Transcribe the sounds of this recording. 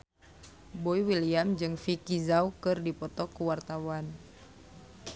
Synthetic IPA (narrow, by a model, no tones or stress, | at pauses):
bɔiwiliamd͡ʒɨŋfikizaukɨrdipɔt̪ɔkuwart̪awan